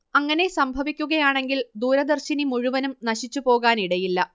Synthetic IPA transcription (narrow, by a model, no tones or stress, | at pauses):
ɐŋːɐne̞sɐmbʱɐʋikʲːuɣɐjaːɳe̞ŋɡild̪uːɾɐd̪ɐrɕinimuɻuʋɐnumnɐɕit͡ɕːupo̞ːɣaːniɽɐjilːɐ